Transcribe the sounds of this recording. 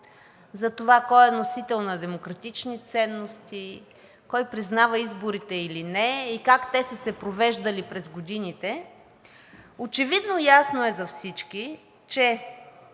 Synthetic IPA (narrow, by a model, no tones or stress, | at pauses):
zɐt̪ovakɔjɛnosit̪ɛlˠnɐd̪ɛmokɾɐt̪it͡ʃnit̪sɛnːost̪i | kɔjpɾiznavəizboɾit̪ɛilinɛikakt̪ɛsəsɛpɾovɛʒd̪əlipɾɛzɡod̪init̪ɛ | ot͡ʃɛvid̪nojasnoɛzɐfsit͡ʃki | t͡ʃɛ